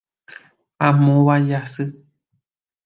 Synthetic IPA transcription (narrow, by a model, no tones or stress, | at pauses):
amõβajasɨ